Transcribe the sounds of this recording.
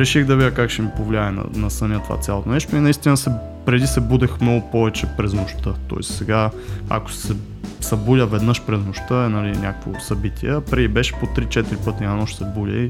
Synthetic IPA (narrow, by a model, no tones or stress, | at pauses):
ɾɛʃiɣd̪ɐvid̪ʲəkakʃɛmipovlʲiaɛnɐ̰nɐsɐnʲət̪ova̰t̪sʲjalˠot̪onɛʃt̪oinɐist̪ʲinəsɛ | pɾɛd̪isɛbud̪ɛxmnɔɡʊpɔvɛt͡ʃɛpɾɛznoʃt̪ət̪ɔ̰ɛ̰ssɛɡaa̰ko̥sɛ | sɐbulʲəvɛd̪nəʃpɾɛznoʃt̪əɛnɐlinʲakəkvo̰sɐbit̪iɛpɾɛd̪ibɛʃɛ̥pot̪ɾit͡ʃɛt̪iɾipɤt̪inʲanoʃt̪sɛbulʲə̰i